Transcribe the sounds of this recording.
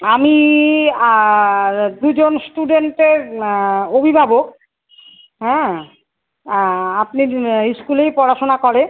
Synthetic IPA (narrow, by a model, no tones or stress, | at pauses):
ami | d̪ud͡ʑonsʈuɖeɳʈeɾ | obʱibʱabok̚ | ɦɛ | apniɾiʃkulejpɔɽaʃonakoɾe